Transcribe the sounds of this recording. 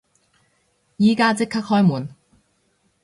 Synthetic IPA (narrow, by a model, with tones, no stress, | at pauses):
jiː˨kaː˥t͡sɪ˥kʰɐ˥k̚hɔː˥jmuː˨˩n